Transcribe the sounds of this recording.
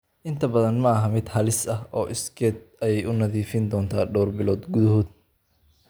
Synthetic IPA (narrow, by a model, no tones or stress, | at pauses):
ʔɪnt̪ʰɐbɐðɐnmɐɐɦɐmɪd̪hɐlɪsɐɦɔːʔɪskʰɛːd̪̚ʔɐjɛjʔʊnɐðiːfɪnd̪ɔːnt̪ʰaːɖɔːrbɪlɔːd̪ɡʊðɐɦɔːd̪̚